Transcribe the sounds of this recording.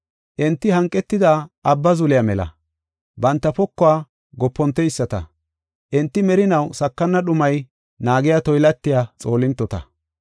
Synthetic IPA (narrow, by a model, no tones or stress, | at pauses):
ʔɪnt̪ːɪhɐŋkʼːɛt̪ːɪd̪aːʔɐbːɐzʊlɪjɐmɛlɐ̰ | bɐnt̪ːɐpɔkːɔwaː | ɡɔpːɔnt̪ːɛɪsːɐt̪ɐ̰ | ʔɛnt̪ːɪmɛɾɪnɐwsɐkːɐnːɐɗʊmɐj | naːɡɪjat̪ɔjlɐt̪ːɪjaːt͡sʼo̞ːlɪnt̪ːɔt̪ɐ̰